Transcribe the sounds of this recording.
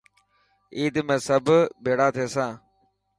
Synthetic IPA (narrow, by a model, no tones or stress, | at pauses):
iːd̪mẽːsəbʱbʱeːɽaːt̪ʰeːsãː